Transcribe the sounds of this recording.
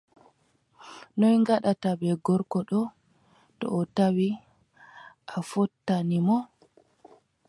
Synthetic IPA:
nɔjŋɡaɗatabɛɡɔɾkɔɗɔ | tɔ̰ːtawi | ʔafɔtːanimɔ

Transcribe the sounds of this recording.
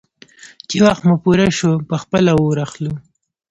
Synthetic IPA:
t͡ʃewaxt̪mʊpuɾaʃopəxpəlawoɾaxlu

